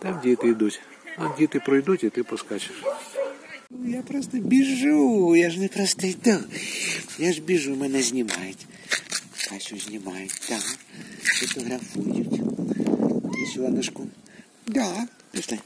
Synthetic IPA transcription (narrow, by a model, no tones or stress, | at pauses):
t̪amdʲijt̪ɪid̪utʲ | t̪amdʲijt̪ɪpɾɔjd̪utʲit̪ɪpɔskat͡ʃɪ̥ʃ | ujapɾɔst̪ɔbʲiʒujaʒnɛpɾɔst̪ɪjd̪a | jaʐbʲiʒumɛnɛzʲnʲima̰jʊtʲ | kasʲʊzʲnʲimajʊtʲd̪̥a | fɔt̪ɔɣɾafujʊtʲ | ɐsʲilˠɐnɪʃkʊ | d̪a | pʲiʃlˠɛ